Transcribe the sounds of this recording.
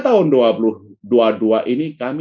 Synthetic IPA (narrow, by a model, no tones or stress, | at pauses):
t̪aɦʊnduapuluduaduaʔinikam